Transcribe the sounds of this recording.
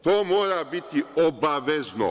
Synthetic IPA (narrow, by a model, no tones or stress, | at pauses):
t̪oːmoːɾabit̪iobaʋezno̰